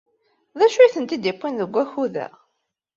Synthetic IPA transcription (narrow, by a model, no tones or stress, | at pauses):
ðæʃujθənt̪id̪ipːinðəɡʷːæçuðæ̰